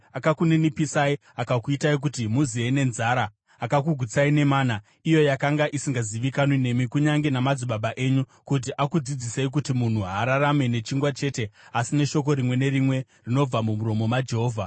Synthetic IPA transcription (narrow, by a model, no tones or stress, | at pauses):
akakunenipisai | akakuitaik̬utimuziene̞nzaːɾaː | kak̬uɡʱwut͡saine̞maːna | ijo̞jakaŋɡaʔisiŋɡaziʋikanwine̞mikuɲaŋɡe̞namad͡ziɓaɓaʔe̞ːɲukut̬iʔakud͡zid͡ziseik̬utimun̤uɦaɾaɾame̞ne̞t͡ʃiŋɡwat͡ʃe̞ːte̞asine̞ʃo̞ko̞ɾimwe̞ne̞ɾimwe̞ | rino̞b͡vamumuɾo̞mo̞mad͡ʒe̞ɦo̞ːvʱa